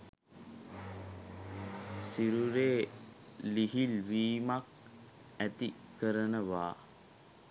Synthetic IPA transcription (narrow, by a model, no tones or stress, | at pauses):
siɾuɾeː | liɦilʋiːmak̚ | æt̪i | kəɾənəʋa̰ː